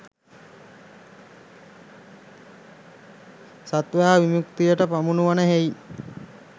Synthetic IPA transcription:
sat̪ʋəaʋimjukt̪ijəʈəpamunuʋanəɦej

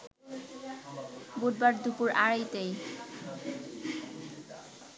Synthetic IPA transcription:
bod̪̚baɾd̪upuɾaɹajt̪ej

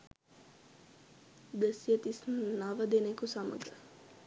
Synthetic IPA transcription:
d̪əsijət̪isnnaʋəd̪enekusamə̰ɡə

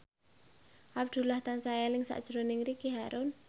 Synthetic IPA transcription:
ʔab̚d̪̥ṳlaht̪ansajalɪŋsa̰ʔd̥ʒ̥ɾonɪŋrikiɦaɾʔʊn

